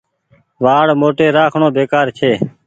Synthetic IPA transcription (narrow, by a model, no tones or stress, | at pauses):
ʋaːɽmoːʈeːɾaːkʰɳõːbeːkaːɾt͡ʃʰeː